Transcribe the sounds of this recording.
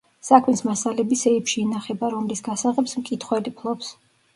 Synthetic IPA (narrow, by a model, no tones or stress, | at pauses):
sakʰmismasalɛbisɛipʃiːnaχɛbaɾɔmlisɡ̥asaʁɛpsmkʼit̪ʰχwɛlipʰlˠɔps